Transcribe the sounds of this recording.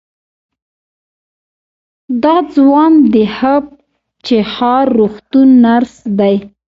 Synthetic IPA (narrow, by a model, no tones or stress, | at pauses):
d̪ɑd͡zwɑnd̪əhab̚ | t͡ʃexɑɾːuxt̪unːaɾsd̪aj